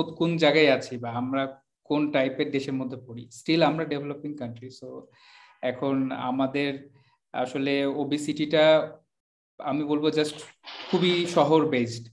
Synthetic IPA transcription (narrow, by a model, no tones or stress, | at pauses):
ot̪kund͡ʑaɡaeat͡ɕʰibaamɾa | konʈajpeɾd̪eʃeɾmod̪ʱːepoɾḭsʈilamɾaɖebʱelopiŋkanʈɾiso | ɛkʰona̰mad̪eɾ | a̰ʃoleobisiʈiʈa | amibolbod͡ʑasʈkʰubiʃɔɦoɾbesʈ